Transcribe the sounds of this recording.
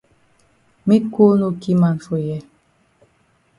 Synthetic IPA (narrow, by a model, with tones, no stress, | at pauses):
mi˦ko˦no˦ki˦ma˨n˨fo˨jɛ˦˨